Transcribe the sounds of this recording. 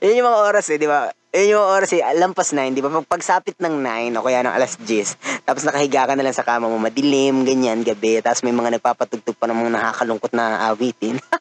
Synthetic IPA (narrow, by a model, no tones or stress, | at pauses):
jonɲʊmɐŋaʔo̞ːɾɐsɛd̪ɪba | jonɲʊmɐŋaʔoːɾɐsɛlɐmpɐsnɐjnd̪ɪbapɐɡ̚pɐɡ̚saːpɪt̪̚nɐŋnajnʔokɐjaːnɐ̰ŋʔɐ̰lasd͡ʒɪst̪aːposnɐkɐhɪɡaːkɐnɐlaŋsɐkaːmɐmomɐd̪ɪlɪmɡɐɲanɡɐbɛt̪aːposmɐjmɐŋanɐɡ̚paːpɐt̪ʊɡ̚t̪ʊɡ̚pɐnɐŋmoŋnɐhaːkɐlʊŋkot̪̚nɐʔaːwiːt̪ɪn